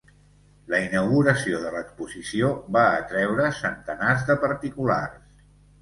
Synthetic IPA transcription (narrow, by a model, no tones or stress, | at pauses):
ləinəwɣuɾəsioðələkspuzisioβaət̪ɾɛwɾəsənt̪ənazðəpəɾt̪ikula̰rs